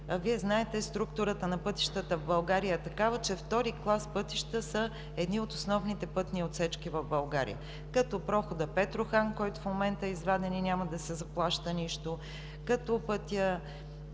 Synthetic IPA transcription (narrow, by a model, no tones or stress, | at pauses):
viɛznaɛt̪ɛst̪ɾukt̪uɾət̪ənɐpɤt̪i̥ʃt̪ət̪əvbɐlˠɡaɾijəɛt̪ɐkavət͡ʃɛft̪ɔɾiklˠaspɤt̪iʃt̪əsə | ɛd̪niot̪osnɔvnit̪ɛpɤt̪niot̪sɛt͡ʃkivɐvbɐlˠɡaɾḭjə̰ | kɐt̪opɾɔxod̪əpɛt̪ɾoxankɔjt̪ʊfmomɛnt̪əizvad̪ɛninʲaməd̪ɐsɛzɐplˠaʃt̪əniʃt̪o | kɐt̪opɤt̪ijə